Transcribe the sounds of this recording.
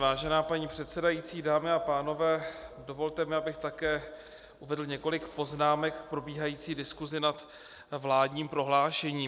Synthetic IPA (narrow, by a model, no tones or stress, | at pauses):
vaːʒɛnaːpaɲiːpr̝̥ɛt̪sɛdajit͡siːdaːmɪapaːno̞vɛːdo̞vo̞lt̪ɛmɪabɪxt̪akɛː | ʔuvɛdl̩ɲɛko̞lɪkpo̞znaːmɛkfpɾo̞biːɦajiːt͡siːdɪskuzɪnat̪ | vlaːdɲiːmpɾo̞ɦlaːʃɛɲiː